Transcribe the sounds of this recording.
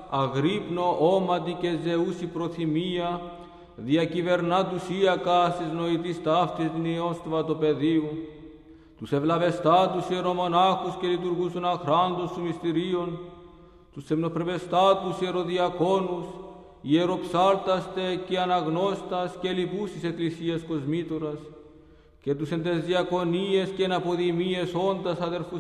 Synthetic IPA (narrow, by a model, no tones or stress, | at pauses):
ɐɣɾipno̞ʔomɐt̪ice̞ze̞usipɾo̞θimiɐ | ðiɐcive̞ɾnɐt̪usiɐkɐst̪izno̞it̪ist̪ɐft̪ist̪inio̞st̪ovɐt̪upe̞ðiu | t̪use̞vlɐve̞st̪ɐt̪usie̞ɾo̞mo̞naxusce̞lit̪uɾɣust̪onɐxɾɐnd̪ost̪umist̪iɾio̞n | t̪usemnopɾeve̞st̪at̪usie̞ɾo̞ðiɐko̞nus | ieɾo̞psɐɾt̪ɐst̪e̞ceɐnɐɣno̞st̪ɐscelipusise̞klisiɐsko̞zmit̪oɾɐs | ce̞t̪usend̪e̞zðiɐko̞nie̞sceenɐpo̞ðimie̞so̞nd̪ɐsɐðe̞ɾfu